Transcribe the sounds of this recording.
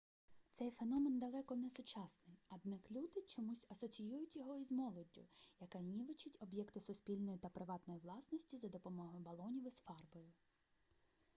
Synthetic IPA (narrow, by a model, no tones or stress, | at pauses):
t̪sɛjfenɔmend̪ɐlˠɛkɔnɛsʊt͡ʃɑsnɪjɐd̪nɐklʲud̪ɪt͡ʃɔmusʲɐsɔt͡sʲijujʊtʲjɔɦɔizmɔlˠɔdʲːʊ̰jɐkɑnʲiʋɪt͡ʃɪtʲɔbjɛkt̪ʊsʊspʲilʲnɔjʊt̪ɐpɾɪʋɑt̪nɔjʊʋlˠɑsnɔsʲtʲizɐd̪ɔpɔmɔɦɔjbɐlˠɔnʲiʋɪsfɑrbɔjʊ